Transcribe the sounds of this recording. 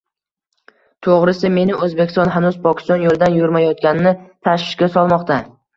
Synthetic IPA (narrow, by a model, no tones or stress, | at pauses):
t̪ʰoʁɾɪsɪme̞nɪʔɵzbekʲɪ̥st̪ɒnɦanʊzpʰɒkʲʰɪ̥st̪ɒnjolˠd̪anjʊɾmajɒt̪kʲanɪnɪt̪ʰaʃvɪʃkʲasɒlˠmɒqt̪a